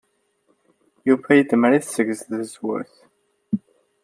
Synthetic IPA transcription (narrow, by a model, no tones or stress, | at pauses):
jufæjəd̪məɾiθsəɡzθəzwʊ̰ɾθ